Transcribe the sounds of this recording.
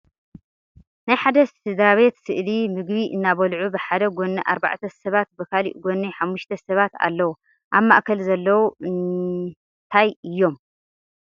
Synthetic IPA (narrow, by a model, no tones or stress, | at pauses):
najħad̪ɐsɨd̪ɾaβe̞t̪sɨʔlimɨɡβiʔɨnːaβɐlʕubɨħad̪ɐɡo̞nːɐʔa̰ɾba̰ʕt̪ʰɐsɐβat̪̚bɨkʰalḭʔɡonːɐħamːuʃt̪ʰɐsɐβat̪a̰lːɐwu | ʔaβmaʔkʰɐlzɐlːɐwuɨn | t̪ʰajɨjːo̞m